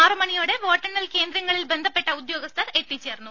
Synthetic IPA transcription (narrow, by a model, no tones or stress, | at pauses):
aːrɨmɐɳijoːɽe̞ʋo̞ːʈːɐnːɐlke̞ːnd̪ɾɐŋːɐɭilbe̞nd̪ʱɐpːe̞ʈːɐud̪jo̞ːɡɐst̪ʰɐre̞t̪ːit͡ɕːeːrnːu